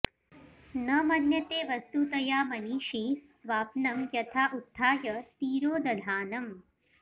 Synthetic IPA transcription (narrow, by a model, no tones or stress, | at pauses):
nɐmɐnjɐt̪eːʋɐst̪uːt̪ɐjaːmɐniːʃisʋaːpnɐmjɐt̪ʰaːʔut̪ʰːaːjɐt̪iːɾoːd̪ɐd̪ʱaːnɐm